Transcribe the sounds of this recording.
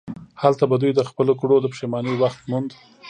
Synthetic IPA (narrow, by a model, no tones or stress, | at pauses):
halt̪abad̪ujd̪əxpəlokuɽod̪əpʂemɑnəwaxt̪mund̪